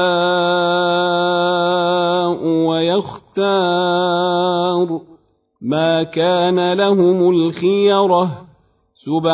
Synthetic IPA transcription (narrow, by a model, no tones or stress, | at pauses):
ʔwajaxt̪aː | ɾ | maːkaːnalaɦʊmʊlxɪjɾˤɑ | sʊb